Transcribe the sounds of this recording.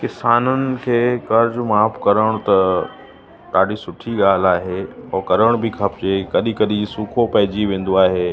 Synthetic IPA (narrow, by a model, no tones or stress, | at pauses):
kɪsaːnənɪ̆kʰeːkɐɾd͡ʑʊmaːpʰkɐɾəɽ̃t̪ɐ | t̪aːɽisʊʈʰiɠaːl̤aːɦeɔːkɐɾəɽ̃bʱikʰɐpd͡ʑekɐɗikɐɗisuːkʰopɐɦɪd͡ʑiʋẽːn̆d̪oaːɦeː